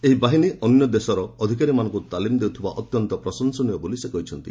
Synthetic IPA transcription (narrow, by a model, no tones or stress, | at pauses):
eɦibaɦiniʔɔnjɔd̪esɔɾɔːd̪ʱikaɾimanɔŋkut̪alimd̪ewt̪ʰiba̰ʔɔt̪jɔnt̪ɔpɾɔsɔnsɔnijɔbolisekɔɦit͡ʃʰɔnt̪ḭ